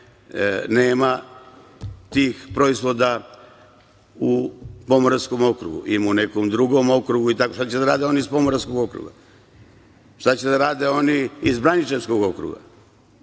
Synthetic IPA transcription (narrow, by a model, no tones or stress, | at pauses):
ne̞ːma | t̪iːxpɾo̞izʋo̞d̪a | upo̞moɾasko̞mo̞kɾṵɡṵʔimune̞komd̪ɾuɡo̞mo̞kɾuɡuit̪akoʃt̪at͡ɕed̪aɾaːd̪eo̞niispo̞moɾaskoɡo̞kɾṵɡa̰ | ʃt̪at͡ɕed̪aɾaːd̪eo̞niizbɾanit͡ʃenskoɡo̞kɾṵɡa̰